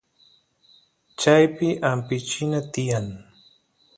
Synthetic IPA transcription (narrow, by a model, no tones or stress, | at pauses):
t͡ʃajpɪʔampɪt͡ʃɪnat̪ɪjaŋ